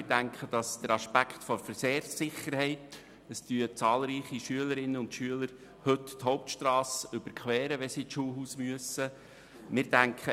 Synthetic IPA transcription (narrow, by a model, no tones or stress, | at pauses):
ɪdæŋkχəd̥ɑsd̥̪əɾɑʃpækχt̪fɔɾfəɾseːrsːɪχəɾhɛɪt̪ | əstyət͡sɑːlˠɾiːχiʃyələɾɪnːəʊnt̪ʃyələɾ | hɵtthɔʊp̚tʃt̪ɾɑːsʏb̥əɾkχʋɛːɾəʋɛsit͡sʃuːlɦuːsmyəsə | mɪɾdæŋkχə